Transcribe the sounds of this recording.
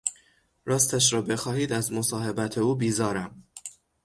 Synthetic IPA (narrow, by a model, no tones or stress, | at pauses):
ɾɒːst̪æʃ̬ɾɒːbe̞xɒːhiːd̪æzmo̞sɒːhe̞bæt̪ʰe̞uːbiːzɒːɾæm